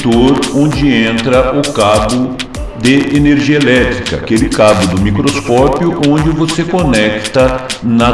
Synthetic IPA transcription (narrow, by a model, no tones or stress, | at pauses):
t̪oɾõd͡ʒɪẽnt̪ɾɐʔʊkabʊ | d̪eeneɾʒiɐelɛt̪ɾikɐ̰kelɪkabʊd̪ʊmikɾoskɔpjʊʔõd͡ʒɪvosekonɛkt̪ɐnɐ